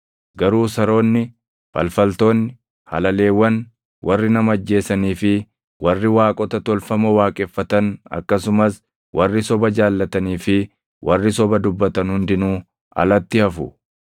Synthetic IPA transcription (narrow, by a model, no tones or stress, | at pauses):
ɡɐɾuːsɐɾo̞ːnːɪ | fɐ̰lfɐlt̪o̞ːnːɪ | hɐ̰lɐle̞ːwːɐn | wʔɐrːɪnɐmɐːd͡ʒːe̞ːsɐniːfɪ | wʔɐrːɪwaːkʼɔt̪ɐt̪ɔlfɐmɐwaːkʼɛfːɐt̪ɐnɐ̰kːɐsʊmɐs | wʔɐrːɪsɔbɐd͡ʒaːlːɐt̪ɐniːfɪ | wʔɐrːɪsɔbɐd̪ʊbːɐt̪ɐnhʊnd̪ɪnuː | ɐ̰lɐt̪ːɪɐfʊ